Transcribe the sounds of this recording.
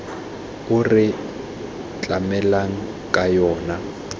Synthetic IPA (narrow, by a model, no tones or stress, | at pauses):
ʊrɪ | t͡ɬʼamɛlaŋ̩ | kʼajɔːna